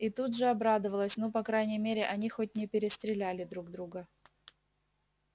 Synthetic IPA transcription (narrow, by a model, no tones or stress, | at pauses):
it̪ut̪ʐɨɐbɾad̪əvəlˠəsʲnopɐkɾajnʲɪjmʲeɾʲɪʔɐnʲixo̞t̚ʲnʲɪpʲɪɾʲɪst̪ɾʲɪlʲælʲɪd̪ɾuɡ̚d̪ɾuɡə